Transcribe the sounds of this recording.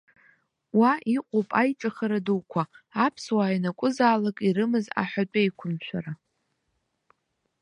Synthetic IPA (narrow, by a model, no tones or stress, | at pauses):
waiqʷʼopʼajʈ͡ʂʼaχaɾaduwkʷʰaːpʰswaːjanakʷʼʊzaːlakʼiɾɨmɨza̰ħʷᶣat͡pʷʼajkʷʰʊmt͡ʃʷʰaɾa